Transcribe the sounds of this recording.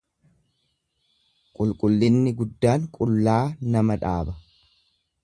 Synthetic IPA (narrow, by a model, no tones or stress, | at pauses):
kʼʊlkʼʊlːɪnːɪɡʊd̪ːaːŋkʼʊlːaːnɐmɐᶑaːbɐ